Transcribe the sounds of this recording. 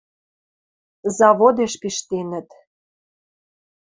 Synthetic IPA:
zɑβod̪eʃpiʃt̪enə̆t̪

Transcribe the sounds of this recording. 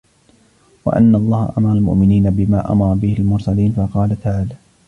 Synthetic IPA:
wa̰ʔa̰nːaʔɑlˤːɑːha̰ʔamɑɾˤɑlmʊ̰ʔmɪniːnabɪmaːʔa̰mɑɾˤɑbɪhɪlmʊɾsaliːnfɑqɑːlat̪aʕaːlaː

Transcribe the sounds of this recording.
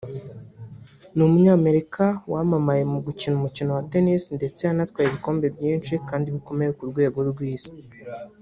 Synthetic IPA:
numuɲaːme̞ɾikawamamaje̞muɡucinumucino̞wate̞nisnde̞t͡sejanatwaːɾeβiko̞ːmbe̞bjiːnʃikaːndiβiko̞me̞jekuɾɡwe̞ːɡo̞ɾɡwiːzi̥

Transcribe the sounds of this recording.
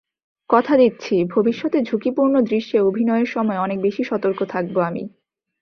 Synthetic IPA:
kɔt̪ʰad̪it̪ːɕʰibʱobiʃːɔt̪ed͡ʑʱukipuɾnod̪ɾiʃːeobʱinɔeeɾʃɔmɔeɔnek̚beʃiʃɔt̪oɾkot̪ʰak̚boamḭ

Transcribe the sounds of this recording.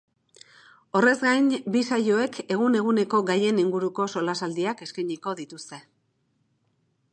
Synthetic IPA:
o̞re̞zɡajnbisajo̞e̞kʰe̞ɣune̞ɣ̞une̞ko̞ɡaje̞niŋɡuɾuko̞so̞lasald̪iake̞skajɲiko̞ðit̪ust̪e̞

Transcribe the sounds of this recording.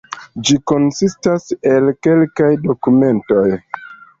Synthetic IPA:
d͡ʒiko̞nsistase̞lke̞lkajdo̞kume̞nto̞j

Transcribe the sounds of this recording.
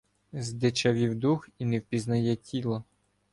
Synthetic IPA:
zd̪ɪt͡ʃɐʋʲiwd̪uxinɛwpʲiznɐjɛtʲilˠɐ

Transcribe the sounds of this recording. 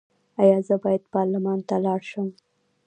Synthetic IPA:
ajɑzəbɑjad̪pɑɾlɪmɑnt̪alɑɽʃəm

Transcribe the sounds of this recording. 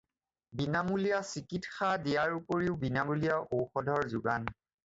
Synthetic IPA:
binamulijasikitxadijaɹupoɹiʊbinamulijaʔowxɔdʱɔɹzuɡa̰n

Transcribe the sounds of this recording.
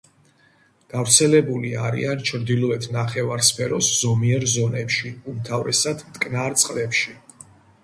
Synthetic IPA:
ɡ̥avɾt̪sʰɛlɛbuliaɾḭant͡ʃʰɾd̪ilˠɔɛt̪ʰnaχɛvaɾspʰɛɾɔsz̥ɔmiɛɾzɔnɛpʃiumt̪ʰavɾɛsad̪mt̪ʼkʼnaɾt̪sʼqʼlɛpʃi

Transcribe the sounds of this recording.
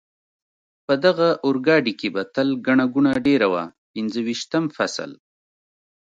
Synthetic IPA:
pəd̪aɣaʔʊɾɡɑɖikebat̪əlɡaɳaɡuɳaɖeɾawa̰ | pɪnzəwiʃt̪əmfa̰sə̰l

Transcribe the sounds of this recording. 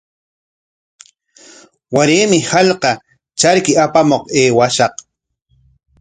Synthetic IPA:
waɾeːmɪhaʎqɑ | t͡ʃaɾkɪapamoqeːwaʃɑq

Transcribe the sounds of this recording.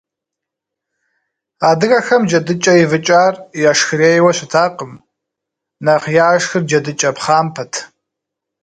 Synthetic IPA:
aːdɨɣɐxɐmd͡ʒɐdɨt͡ʃʼɐivɨt͡ʃʼaːrjaʂxɨɾeːjwɐɕɪtʰaːqʼəm | nɐχjaːʂxɨrd͡ʒɐdɨt͡ʃʼɐpχaːmpʰɐtʰ

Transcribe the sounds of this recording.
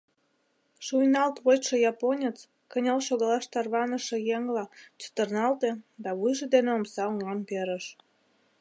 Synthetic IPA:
ʃujnɑlt̪βojʃejɑponʲet͡s | kənʲelʃoɣəlɑʃt̪ɑrβɑnəʃĕjeŋlɑt͡ɕə̥t̪ərnɑlt̪ed̪ɑβujʒed̪eneomsɑoŋɑmpeɾəʃ

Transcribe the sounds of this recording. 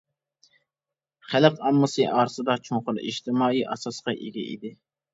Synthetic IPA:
χæləqɑmːɨsɨʔɑːɾɨsɨd̪ɑt͡ʃʰoŋqʊliʃt̪ɪmɑːiʔɑsɑsqɑʔeɡʲɛ̰ʔḭd̪ɪ

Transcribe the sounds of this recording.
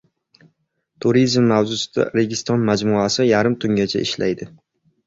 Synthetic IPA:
t̪ʰuɾizmːavzʊsɪd̪̥a̰ɾeɡʲɪst̪ɒnmad͡ʒmʊasɪjaɾɪmt̪ʰʊŋɡʲat͡ʃʰa̰ɪ̰ʃla̰jd̪ɪ

